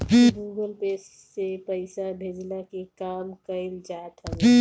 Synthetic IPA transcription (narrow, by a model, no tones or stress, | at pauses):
ɡiɡuːɡəlpeːsːepəɪsabʱeːd͡ʒlakekaːmkəld͡ʒaːt̪ɦə̃ɡi